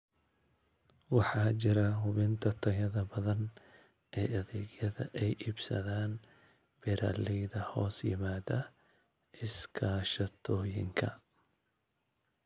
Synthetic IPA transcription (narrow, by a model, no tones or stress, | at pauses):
wɑħɑːt͡ʃɪɾɐɦʊβɪnt̪ʰɐt̪ʰɐɣɐðɐbɐðɐn | ʔɛːʔɐðɛɣjɐðɐ̰ʔɛjʔiːbsɐ̰ðaːn | b̥ɛɾaːlɛjðɐhɔːsjɪ̰maːd̪ɐ | ʔɪskʰaːʃɐt̪ʰɔːjɪ̰ŋkʰɐ̰